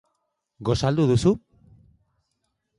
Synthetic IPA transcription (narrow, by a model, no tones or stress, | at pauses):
ɡo̞sald̪uðusu